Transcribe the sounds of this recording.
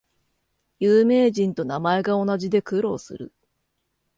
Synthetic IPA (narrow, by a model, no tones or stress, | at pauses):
jɯːme̞ːʑĩnt̪o̞namae̞ɡao̞naʑid̪e̞kɯɾo̞ːsɨ̰ɾɯ̟̰